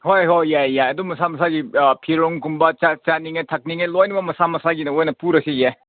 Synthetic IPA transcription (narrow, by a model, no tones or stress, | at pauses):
hojɦojːajːajɐdumɐsamɐsaɡipʰiɾoŋkumbɐt͡ʃat͡ʃaniŋetʰɐk̚niŋelojnibɐmɐsamɐsaɡinɐojnɐpuɾɐseje